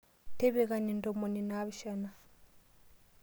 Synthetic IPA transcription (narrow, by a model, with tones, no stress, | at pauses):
tɛ˦βɛ˨ɣa˨ni˨ndɔ˨mɔ˨ni˨na˦βi˨ʃa˦na˨